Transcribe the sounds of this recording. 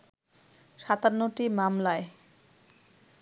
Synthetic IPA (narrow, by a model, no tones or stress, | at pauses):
ʃat̪anːoʈimamlae